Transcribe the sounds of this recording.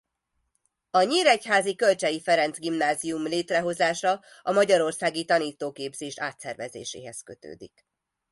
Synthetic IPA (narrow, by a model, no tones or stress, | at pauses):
ɒɲiːɾɛchaːzikø̞lt͡ʃɛjifɛɾɛnt̪zɡimnaːziumleːt̪rɛɦo̞zaːʃɒ | ɒmɒɟɒɾo̞rsaːɡit̪ɒniːt̪ːoːkeːbzeːʃaːt̪sɛrvɛzḛːʃḛːɦɛskø̞t̪ø̰ːd̪ḭk